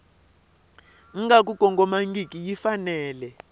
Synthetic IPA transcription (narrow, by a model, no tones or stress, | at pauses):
ŋ̩ŋɡak̬ʼukʼɔŋɡɔmaŋɡikʼijifanɛːlɛ